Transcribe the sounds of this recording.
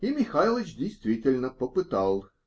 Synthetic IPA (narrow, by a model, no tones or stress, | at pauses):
imʲɪxalˠət͡ɕd̪ʲejst̪vʲitʲɪlʲnəpəpɨt̪alˠ